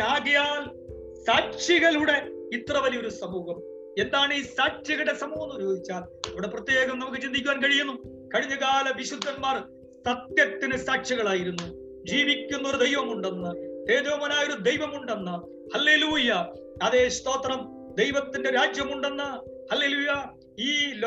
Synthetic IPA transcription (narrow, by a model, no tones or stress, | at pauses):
aːɡɐjaːl | saːkʂiɣɐɭuɽe̞it̪rɐʋɐlijo̞ɾusɐmuːhɐm | e̞nd̪aːɳiːsaːkʂiɣɐɽe̞sɐmuːɦɐnːuɾoːd̪ʱit͡ɕːaːl | ɐʋiɽeprɐt̪ːje̞ːɡɐmnɐmukːɨt͡ɕind̪ikʲːuʋaːnkɐɻijunːu | kɐɻiɲːuɣaːlɐʋiɕud̪ʱːɐnmaːr | sɐt̪jɐt̪ːinɨsaːkɕiɣɐɭaːjiɾunːu | d͡ʑiːʋikʲːunːɐoɾud̪e̞jʋɐmuɳɖenːɐt̪e̞ːd̪oːmɐnaːjo̞ɾud̪e̞jʋɐmuɳɖe̞nːɐ | hɐlːe̞ːluːjɐ | ɐðe̞ːst̪o̞ːt̪rɐm | d̪ejʋɐt̪ːinde̞ɾaːd͡ʑjɐmuɳɖe̞nːɐ | hɐlːe̞ːluːjɐ | iːl